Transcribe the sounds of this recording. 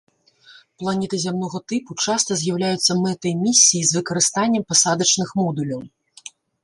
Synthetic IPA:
plˠanʲɛt̪ɨzʲamnɔɣɐt̪ɨput͡ʂast̪ɐzʲjɐwlʲajut̪sːɐmɛt̪ɐimʲisʲːijizvɨkɐɾɨst̪anʲːɐmpasad̪ɐt͡ʂnɨxmɔd̪ulʲɐw

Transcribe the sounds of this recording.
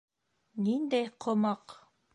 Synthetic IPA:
nind̪æjqʰŏmɑq

